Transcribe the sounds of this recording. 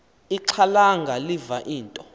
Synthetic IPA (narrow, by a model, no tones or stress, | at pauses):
iǁʰalaŋɡʱalivaʔiːntʼɔ